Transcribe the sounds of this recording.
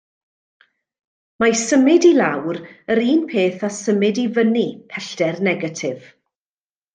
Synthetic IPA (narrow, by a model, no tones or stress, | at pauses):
masəmɪdilawɾəɾiːnpʰeːθasəmɪdivənipʰɛɬtɛrnɛɡatʰɪv̥